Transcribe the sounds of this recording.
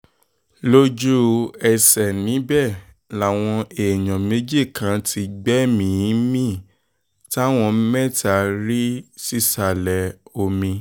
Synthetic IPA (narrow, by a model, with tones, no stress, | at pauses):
lo˦d͡ʒu˦ɛ˨sɛ˨nĩ˨˦bɛ˦˨ | la˨w̃ɔ̃˧e˨jɔ̃˨me˨˦d͡ʒi˦˨kã˨˦ti˧ɡ͡bɛ˦mĩ˦mĩ˦˨ | ta˦˨w̃ɔ̃˧˦mɛ˦˨ta˨ɾi˦si˦˨sa˨lɛ˨o˧mĩ˧